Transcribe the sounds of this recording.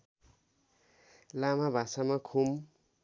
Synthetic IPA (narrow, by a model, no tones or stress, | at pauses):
lamabʱasamakʰum